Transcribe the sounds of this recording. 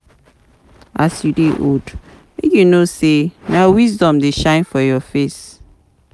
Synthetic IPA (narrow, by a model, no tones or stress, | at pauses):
asjudeʔod | mekjunosenawizdɔ̃mdeʃãɪ̃nfɔjɔfes